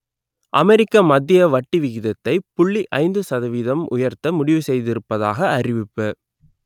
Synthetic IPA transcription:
ʔɐmɛɾɪkːɐmɐd̪ːɪjɐʋɐʈːiʋɪɣɪðɐt̪ːɐɪpʊɭːiʔɐɪnd̪ɯsɐðɐʋɪðɐmʔʊ̰jɐɾt̪ɐmʊɽɪʋɯsɛjðɪɾɯpːɐðaːɣɐːrɪʋɪpːɯ

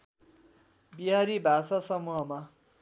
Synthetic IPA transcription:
biɦaɾibʱasasʌmuɦʌma

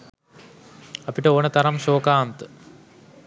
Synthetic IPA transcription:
ɐpiʈːɐoːnɐt̪ɐɾɐmɕoːkaːnt̪ɨ̥

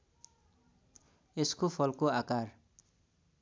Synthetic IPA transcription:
eskopʰʌlkoakar

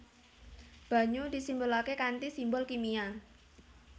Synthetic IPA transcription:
b̥a̤ɲud̪̥i̤simbʊlakekant̪isimbʊlkimia

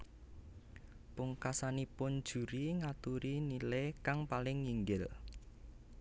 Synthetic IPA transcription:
pʊŋkasanipʊnd̥ʒ̥ṳɾiŋat̪uɾinilekaŋpalɪŋːiŋɡɪl

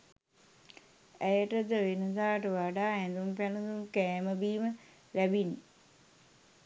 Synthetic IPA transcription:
æjəʈəd̪əʋenɐsaːʈəʋaɖaːɛnd̪umpænud̪umkɛːməbiːmə | læbinːi

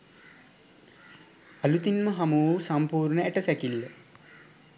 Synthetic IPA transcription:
ɐlut̪inməɦamuːsampuːɾɳəæʈəsækilːə

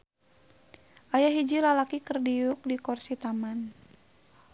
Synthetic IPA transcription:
ʔajaɦid͡ʒilalakikərdiuk̚dikɔrsit̪aman

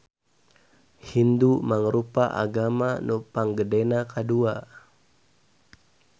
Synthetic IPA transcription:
hindumaŋəɾupaʔa̰ɡamanupaŋɡədenakadua

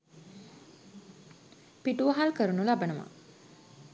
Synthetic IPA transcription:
piʈuʋaɦalkəɾunulabənəʋa̰

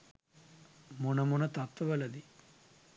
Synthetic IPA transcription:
munɐmunɐt̪ɐt̪ːɐʋɐlɐd̪i

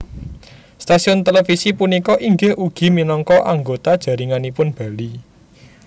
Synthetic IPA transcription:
st̪asiʊnt̪elefisipunikɔʔiŋɡɪhʔuɡ̥i̤minɔŋkɔʔaŋɡot̪ad̥ʒ̥a̤ɾiŋanipʊnb̥a̤li

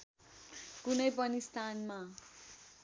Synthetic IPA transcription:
kunʌjp̬ʌnist̪ʰanma

